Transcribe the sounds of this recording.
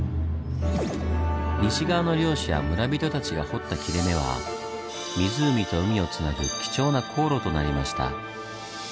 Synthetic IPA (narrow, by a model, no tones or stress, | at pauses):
ɲʲiɕiɡaːno̞ɾʲo̞ːɕija̰mɯ̟ɾabʲit̪o̞t̪at͡ɕiɡaho̞t̪ːakʲiɾe̞me̞β̞a̰ | mʲizɨːmʲit̪o̞ɯ̟mʲio̞t͡sɨnaɡɯkʲi̥t͡ɕo̞ːnakʰo̞ːɾo̞t̪o̞naɾʲimaɕi̥t̪a̰